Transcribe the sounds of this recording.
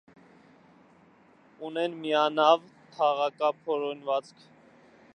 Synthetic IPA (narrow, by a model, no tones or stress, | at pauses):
unɛnmiɑnɑvt̪ʰɑʁɑkɑpʰɔɾɔnvɑt͡skʰ